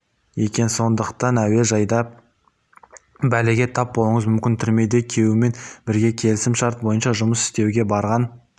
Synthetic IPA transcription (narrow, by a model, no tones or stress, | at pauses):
jekʲe̞nso̞nd̪əqt̪ɑnæwe̞ʒɑjd̪ɑ | bæleɡʲe̞t̪ʰɑp̚bo̞lˠəɴəzmʏmkʲɪnt̪ʰʏɾme̞jd̪e̞kʲʰe̞wɪme̞nbɪɾɡʲe̞kʲʰe̞lɪsɪmʃɑɾt̪̚bo̞jənʃɑʒʊməsɪ̥st̪e̞wɡʲe̞bɑɾʁɑn